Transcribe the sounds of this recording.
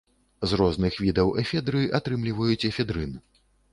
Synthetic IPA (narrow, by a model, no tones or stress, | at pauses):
zrɔznɨxvʲid̪ɐwʔɛfʲɛd̪ɾɨʔat̪ɾɨmlʲivɐjut͡sʲɛfʲɛd̪ɾɨn